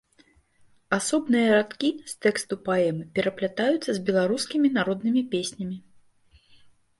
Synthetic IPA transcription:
asɔbnɨjɐɾat̪kʲist̪ɛkst̪upaɛmɨpʲɛɾɐplʲat̪ajut̪sːɐzʲbʲɛlˠaɾuskʲimʲin̪aɾɔd̪̚nɨmʲipʲesʲnʲɐmʲi

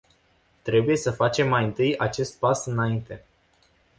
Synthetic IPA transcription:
t̪ɾe̞buje̞səfat͡ʃe̞mːajɨnt̪ɨjat͡ʃe̞st̪̚pasɨnaint̪e̞

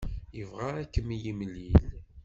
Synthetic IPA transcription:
jəvʁaækːəmjimlil

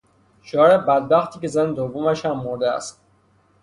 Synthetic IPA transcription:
ʃoɾebæd̪̚bæxt̪ʰiːce̞zæned̪ovːomæʃhæmːoɾd̪eæ̰st̪̚

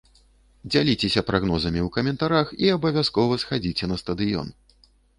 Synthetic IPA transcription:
d͡zʲalʲit͡sʲesʲɐpɾʔaɣnɔzɐmʲiwkɐmʲɛnt̪aɾaxiɐbɐvʲaskɔvɐsxad͡zʲit͡sʲɛnɐst̪ɐd̪ɨjɔ̰n

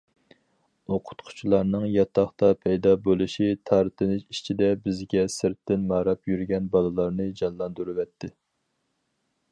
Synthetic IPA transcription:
oqʰʊ̥t̪qʰʊ̥t͡ʃʰilˠɑɾnɨŋjɑt̪ʰɑχt̪ɑpʰɛjd̪ɑbolˠɨʃit̪ʰɑɾt̪ʰɨnɪʃi̥t͡ʃʰid̪ɛbɪzɡʲɛsɪɾt̪ːɪnmɑːɾɑpʰjyɾɡʲɛnbɑlˠɨlˠɑɾnɨd͡ʒɑnlˠɑnd̪uɾɨwɛt̪ʰːɪ

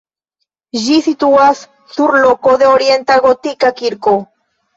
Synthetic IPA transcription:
ʒisit̪uasː | uɾlokoðeoɾje̞nt̪aɣot̪ikakiɾko

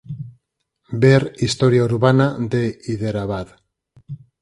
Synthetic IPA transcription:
beɾist̪o̞ɾjauɾβanad̪eiðeɾaβað

